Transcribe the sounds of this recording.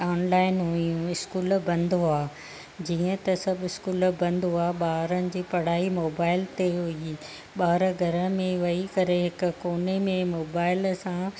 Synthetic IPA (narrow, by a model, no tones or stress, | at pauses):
aːnlaːɪnɦʊijũɪskuːlbɐ̃nd̪ʱoaː | d͡ʑiːə̃t̪ɐsɐbʱɪskuːlbɐ̃nd̪ʱoaːɓaːɾənɪ̆d͡ʑiːpɐɽ̤aːimoːbaːɪlt̪eɦui | ɓaːɾɡʱɐɾə̃mẽʋɐikɐɾeɦɪkʊ̆koːnemẽmoːbaːɪlsã